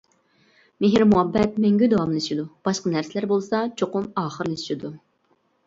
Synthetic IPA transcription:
mɪɦiɾmuɑbːɛt̪̚mɛŋɡʲyd̪ɑwɑmlˠeʃid̪ub̥ɑʃqənæɾsɪlæɾbolˠsɑt͡ʃʰoqʊmɑːχəɾlesʰʃid̪u

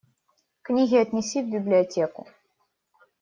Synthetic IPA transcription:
knʲiɣʲiət̪nʲisivbʲiblʲiɐtʲekʊ̰

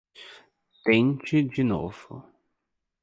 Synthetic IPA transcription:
t̪ẽt͡ʃɪd͡ʒino̰v̥ʊ̰

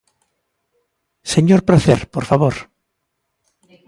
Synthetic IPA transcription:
seɲoɾpɾaθḛɾpoɾfaβoɾ

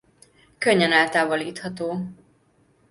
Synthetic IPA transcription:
køɲːɛnɛːlt̪aːvoliːt̪hɒt̪oː

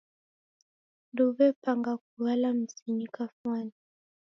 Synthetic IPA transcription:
nduβɛpaŋɡak̚uwalam̩sinikafwani

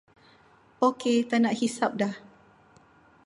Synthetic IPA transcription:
oket̪anaʔhisap̚dah

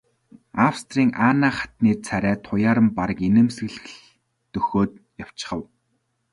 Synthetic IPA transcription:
awst̪riːŋʔaːnaːχḁt̪niːrt͡sʰæɾæːt̪ʰʊjaːɾə̆mpaɾə̆kenɘ̆msɘ̆ɮɘ̆ɮ | t̪ɵxoːt̪̚jaw̥t͡ɕɪ̥̆χə̆w

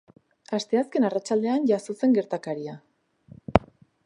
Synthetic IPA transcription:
ast̪e̞aske̞narat͡ʃald̪e̞anʝasose̞ŋɡe̞ɾt̪akaɾia

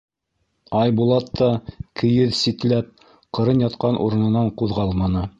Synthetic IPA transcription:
ɑjbulˠɑt̪ːɑkʰɘ̆jɘðsit̪læp̚ | qɤ̆ɾɤnjɑt̪qɑnʔṵɾɤ̆nɤ̆nɑɴquðʁɑlˠmɑnɤ

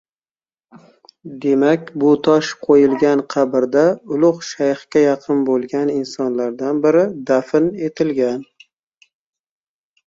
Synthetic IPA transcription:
d̪e̞makʲbʊt̪ʰɒʃqʰojɪlɡʲanqʰɑbɪɾd̪aʊlˠʊχʃajχkʲajɑqʰɨnbolˠɡʲanɪnsɒnlaɾd̪anbɪɾɪd̪afɪne̞t̪ʰɪlɡʲan

